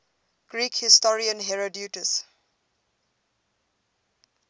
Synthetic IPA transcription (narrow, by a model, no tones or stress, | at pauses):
ɡ̥ɹiːkhɪstɔɹiə̃nɦɛɹodjutəs